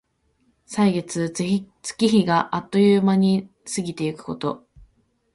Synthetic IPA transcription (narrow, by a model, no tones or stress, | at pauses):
saiɡe̞t͡sɨe | t͡sɨ̥kʲiçiɡaʔat̪ːo̞jɯːmaɲ̟i | sɨɡʲit̪e̞ikɯ̟̥ko̞t̪o̞̰